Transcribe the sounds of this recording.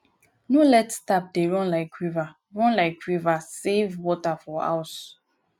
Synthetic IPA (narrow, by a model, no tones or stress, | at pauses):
nolɛtstap̚deɹɔ̃nlaɪkwiva | ɹɔ̃nlaɪkwivasevwɔtafɔa̰ʊs